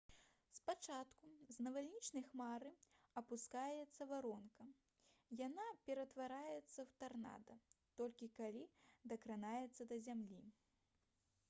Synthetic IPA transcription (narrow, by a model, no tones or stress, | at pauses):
spat͡ʂat̪kuznɐvalʲnʲit͡ʂnɐjxmaɾɨɐpuskajɛt̪sːɐvaɾɔnkɐ | janapʲɛɾɐt̪vaɾajɛt̪sːɐwt̪arna̰d̪ɐt̪ɔlʲkʲikalʲid̪ɐkɾanajɛt̪sːɐd̪ɐzʲamlʲi